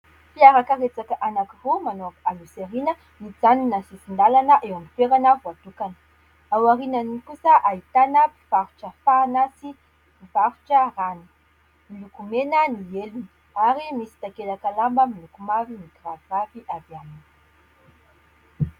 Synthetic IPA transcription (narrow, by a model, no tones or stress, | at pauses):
fiaɾakaret͡sakaʔanakivomanoakaluseɾinə | nid͡zaninasisind̪alanəʔewamifeɾanavuat̪ukanə̥ | awaɾinanikusəʔait̪anapi̥v̥aɾuʈ͡ʂəfanasi | piv̥aɾu̥ʈ͡ʂəranu | milukumenənieluni | aɾimisi̥t̪akelakalambəmilukumavinikiravmaviʔavianin